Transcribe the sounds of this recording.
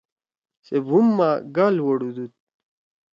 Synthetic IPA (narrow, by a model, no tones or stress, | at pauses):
sebʱumːaɡaːlwɐɽud̪ut̪̚